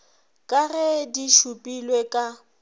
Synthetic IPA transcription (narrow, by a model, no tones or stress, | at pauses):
kʼarɛdiʃupʼilwekʼa